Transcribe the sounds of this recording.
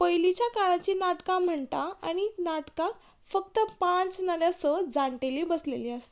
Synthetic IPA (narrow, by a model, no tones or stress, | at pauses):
pəjlit͡ɕjakaɭãt͡ɕiːnaʈkãm̤əɳt̪aa̰ɽ̃inaʈkãk̪ | fək̚t̪əpãt͡snəɾjasəd͡zãɳʈeliːbəslelĩast̪